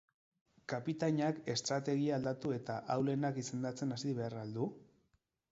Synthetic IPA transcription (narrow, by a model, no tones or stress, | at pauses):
kapit̪aɲake̞st̪ɾat̪e̞ɣiaːld̪at̪ue̞t̪aʔawle̞nakise̞nd̪at͡se̞nasiβe̞arald̪u